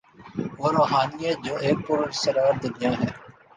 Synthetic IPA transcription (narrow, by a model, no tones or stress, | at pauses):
ʋoːɾoːɦaːnɪjaːd͡ʒoːʔeːk̚pʊɾsəɾaːɾd̪ɪd̪ɪjãːɦɛː